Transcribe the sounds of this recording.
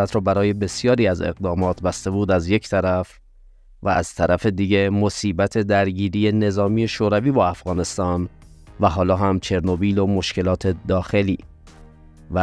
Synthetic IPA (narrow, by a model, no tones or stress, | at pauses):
æt̪ʰɾɔːbæɾɒːje̞be̞sjɒːɾiːæze̞̰ɣd̪ɒːmɒːt̪ʰbæst̪e̞buːd̪æzje̞cʰt̪ʰæɾæf | væʔæz̥t̪ʰæɾæfe̞d̪iɟe̞mo̞siːbæt̪ʰe̞d̪æɾɟiːɾiːjene̞zɒːmije̞ʃoːɾæviːbɒːæfɣɒːne̞st̪ɒːn | væɦɒːlɒːɦæmt͡ʃʰe̞ɾno̞biːlo̞mo̞ʃce̞lɒːt̪ʰe̞d̪ɒːxe̞lḭː | væ